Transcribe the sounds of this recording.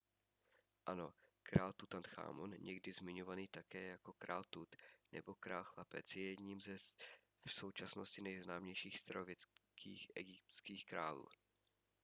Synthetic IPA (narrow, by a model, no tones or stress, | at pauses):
ʔano̞kɾaːlt̪ut̪ant̪xa̰ːmonɲɛɡdɪzmɪɲovaniːt̪akɛːjako̞kɾa̰ːlt̪ut̪nɛ̰bo̞kɾaːlxlapɛ̰t͡sjɛjɛd̪ɲiːmzɛ | fso̞wt͡ʃasno̞scɪnɛjznaːmɲɛjʃiːxst̪ɾovjɛt͡skʰḭːxʔɛ̰ɡɪp̚t̪t͡skiːxkɾaːlṵː